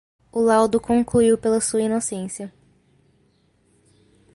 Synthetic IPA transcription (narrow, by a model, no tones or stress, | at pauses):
ʊlawd̪ʊkõŋkluiwpelɐsuɐinosẽsiɐ